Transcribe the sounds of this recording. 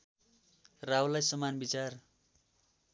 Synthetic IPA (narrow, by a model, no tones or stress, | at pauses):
rawlajsʌmanbit͡sar